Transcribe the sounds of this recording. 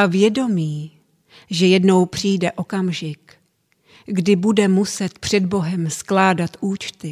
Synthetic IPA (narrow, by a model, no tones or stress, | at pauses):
ʔavjɛdo̞miː | ʒɛjɛdno̞wpr̝̥iːjdɛʔo̞kamʒɪk | ɡdɪbudɛmusɛt̪pr̝̥ɛd̪bo̞ɦɛmsklaːdat̪ʔuːt͡ʃt̪ɪ